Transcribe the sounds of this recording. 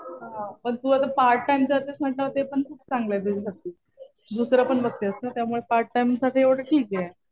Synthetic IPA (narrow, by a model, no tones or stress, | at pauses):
ɦãpəɳt̪uːat̪apaɾʈʈajmt͡ɕeat̪esmaʈːat̪epəɳt̪ʰut͡st͡sãŋɡlajd̪eɾisat̪iː | d̪usɾapəɳbət̪ːjəsnat̪jamuɭepaɾʈ̚ʈajmsaʈʰiːeʋʈʰəʈʰiːkje